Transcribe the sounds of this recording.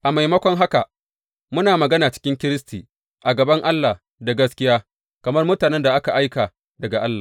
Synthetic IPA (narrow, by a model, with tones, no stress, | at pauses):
ʔa˨ma˨jmɐ˦kʷɔ˦ŋɦa˦ka˨ | mʊ˦naː˨mɐ˨ɡɐ˦naː˨t͡ʃɪ̥˦kʲɪ˦ŋkʲɪ˦ɾɪ˦s̬tiː˨ | ʔa˨ɡɐ˨bɐ˦ŋʔa˦lːa˨h | da˨ɡɐ˦skʲɪ˦jaː˦ | kɐ˨mɐ˦rmʊ˦taː˨nɛ˦nda˨ʔa˦ka˨ʔa˦jkaː˨ | dɐ˨ɡa˨ʔa˦lːa̰ː˨